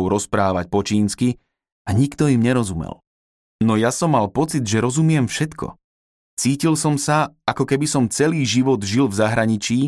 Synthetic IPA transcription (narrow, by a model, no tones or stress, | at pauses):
ʊɾɔspɾaːʋac̚pɔt͡ʃiːnski | aɲikt̪ɔimɲɛɾɔzumɛ̰l | nɔjasɔmːalpɔt͡sid̪ʒɛɾɔzumɪɛmfʃɛt̪kʰɔ̰ | t͡siːcilsɔmsaakɔkɛbisɔmt͡sɛliːʒiʋɔd̪ʒilvzaɦɾaɲit͡ʃiː